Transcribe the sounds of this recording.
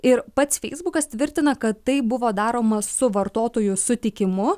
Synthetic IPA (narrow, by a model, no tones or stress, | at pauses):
ɪɾpɐt̪sfʲɛɪzbʊkɐst̪ʲʋʲɪɾʲt̪ʲɪnɐkɐt̪ːɐɪbʊʋoːd̪ɑːɾoːmɐsʊʋɐɾt̪oːt̪oːjʊsʊt̪ʲɪkʲɪmʊ